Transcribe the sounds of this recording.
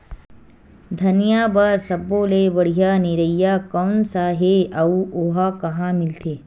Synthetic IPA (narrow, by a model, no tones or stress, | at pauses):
d̪ʱɐnijaːbaɾsɐbolebəɽ̤ijaːniɾəijakɐwnsaɦeɐuʔoɦakɐɦãmɪlt̪ʰeː